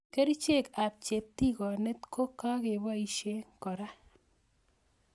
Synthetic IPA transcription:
ke˦ɾi˦t͡ʃe˦˨ka˨p̚t͡ʃe˨tːi˦kɔ˨ne˦tko˦kːa˦ke˨ba˦i˨ʃe˦ŋkɔ˨ɾa˦

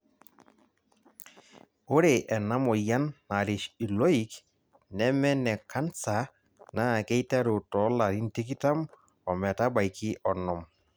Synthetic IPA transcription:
o˦ɾe˨ʔɛ˨na˦mɔ˨ja˦nːa˨ɾɪ˨ʃi˨lɔ˦i˦k | nɛ˦mɛ˦nɛ˨ka˦nsa˨ | na˦˨kɛ˦jta˦ɾo˨tɔ˨˦la˨ɾi˦nti˦ki˦ta˦m | ɔ˨mɛ˨ta˦ba˨jkɪ˦ʔɔ˨nɔ˨m

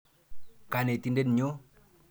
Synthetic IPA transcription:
ka˨ne˨t̪i˦nde˦n˨ɲo˦

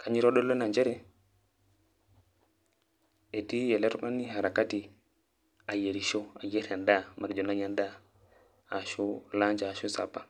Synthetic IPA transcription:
kʰa˨ɲi˦ɾo˦ɗo˦lːo˦na˨ɲd͡ʒe˦ɾɛ˦ | e˨ti˦je˨le˦ɾka˦ni˦ɦa˨ɾa˨ka˦ti˨ | a˨je˨ɾi˨ʃo˦a˨je˦ɾa˨nda˦ma˨ɾd͡ʒo˨na˦ja˦nda˦ | a˨ʃu˦la˦ɲd͡ʒa˨a˨ʃu˦sa̰˨pːa˦

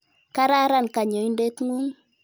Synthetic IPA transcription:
ka˦ɾa˦ɾa˦˨nka˨ɲɔ˨i˦nde˦tŋu˦ŋ

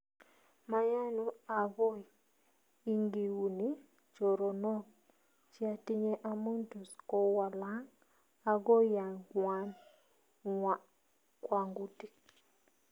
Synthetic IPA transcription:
ma˨ja˦nu˦a˨ɡɔ˦˨ | i˦ŋɡi˨wu˨ni˦ | t͡ʃo˨ɾo˨nɔ˦k | t͡ʃi˦a˨ti˦ɲe˦ʔa˦mo˦ntu˨skɔ˦wa˨la˦ŋ | a˨ɡo˦ja˨ɡwa˨n | wa˨ | kwa˨ŋɡu˦ti˦

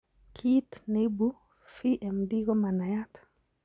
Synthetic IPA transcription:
kʰi˦t̪ne˦bu˦ | fi˦ʔɛ˨mdi˦ɡo˦ma˨na˨ja˦t̪ʰḁ

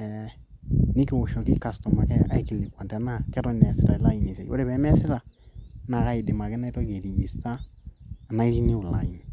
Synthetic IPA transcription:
ɛ˨ | nɪ˦ki˨wʊ˨ʃɔ˨kɪ˦ka˨stɔ˨ma˨kɛ˦a̰˦ki˨li˨kwa˨ntɛ˨˦na˦kɛ˦ɾɔ˦˨nɛ˨sɪ˦ɾa˨ɪ˨la˦i˨ni˨se˨jwo̰˦dɛ˨bɛ˨˦mɛ˦sɪ˦ɾa˨na˨ka˦ɪ˨dɪ˨ma˨kɪ˦na˦jtɔ˦ke˨di˨ji˨staː˦˨ | na˦i˦ki˦ni˦ʊ˨la̰˨i˨ni

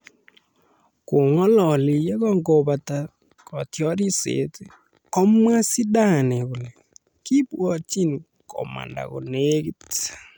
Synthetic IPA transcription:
ko˨ŋɔ˦lɔ˨li˨jɛ˦ɣɔ˦ŋɡo˨βa˨ta˨ | kɔ˨tjɔ˦ɾi˦sḛ˨˦te˦ | kɔ˦mwa˦si˦ɗa˦˨nɛ˨ɣu˨lɛ˨ | ki˦pwɔ˦˨t͡ʃi˦ni | kɔ̰˨ma̰˨nda̰˨ɣo̰˨ne˦ɣi˦t

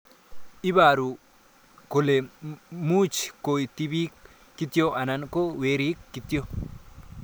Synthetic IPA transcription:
ʔɪ˦baː˨ɾu˨ | ko˨le˨muː˦t͡ʃkːo˨jt̪i˦bi˦kː | ɪ˦t̪ːjo˦ʔa˨na˦nko˦we˦ɾi˦kːɪ˨t̪ːɪ˦o˦

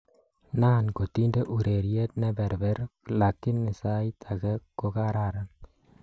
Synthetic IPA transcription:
naː˦˨nko˨t̪i˦nde˦ʔu˨ɾe˨ɾje˦t̪̚nɛ˦bɛ˨ɾbɛ˦ɾla˨kːɪ˦nːɪ˨sa˦i˦t̪ʰa˨kɛ˦ko˦ka˦ɾa˦˨ɾa˦n

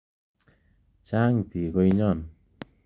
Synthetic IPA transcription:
t͡ɕaː˦ŋt̪i˨˩ɣɔ˧jɲɔ˧˩˨n

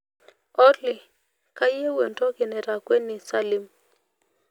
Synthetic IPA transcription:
ɔ˦li˨ | ka˦je˦we˨ntɔ˦ɡe˨nɛ˨ɾa˨kwe˦ni˨sa˦li˨m

